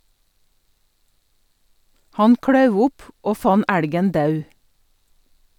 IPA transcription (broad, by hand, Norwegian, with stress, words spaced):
ˈhɑn ˈkɽɑʉʋ ˈʊp ˈoː ˈfɑn ˈæɽɡən ˈdɑʉ